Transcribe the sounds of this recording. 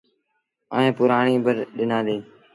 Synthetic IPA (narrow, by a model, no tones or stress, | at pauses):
ə̰ːẽːpʊɾaːɳiːbəɾɗɪnãːd̪eː